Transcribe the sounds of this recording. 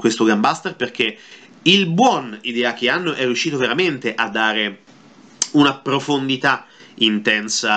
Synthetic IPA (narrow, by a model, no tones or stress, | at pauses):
kwest̪oɡambast̪erperk̟e | ilbwɔnid̪ɛak̟eanːoʔɛrːiuʃːiːt̪oveɾament̪eʔad̪ːaːɾe | unapɾofond̪it̪aint̪ɛnsa